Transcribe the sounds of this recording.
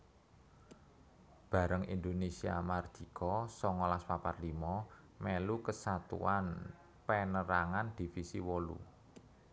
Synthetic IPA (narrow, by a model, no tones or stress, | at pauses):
b̥ä̤ɾəŋḭnd̪onesia̰mard̪̥i̤kʰɔsɔŋɔlaspaparlimɔ | melukəsat̪ṵan | penəɾaŋand̪̥i̤fisḭwolṵ